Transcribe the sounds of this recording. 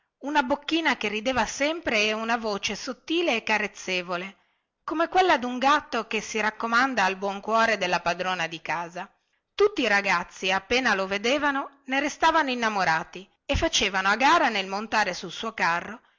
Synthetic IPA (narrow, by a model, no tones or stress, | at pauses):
unabokːiːnakerːid̪eːvasɛmpɾeɛunavoːt͡ʃesot̪ːiːleːkːaɾet̪sːeːvole | komekwelːad̪uŋɡat̪ːokesiɾakːomand̪aːlbwɔŋkwɔːɾed̪elːapad̪ɾoːnad̪ikaːza | t̪ut̪ːiːɾaɡat̪sːiapːeːnaloved̪eːvano | neɾest̪aːvanoinːamoɾaːt̪i | efːat͡ʃeːvanoaɡaːɾanelmont̪aːɾesulsuːokarːo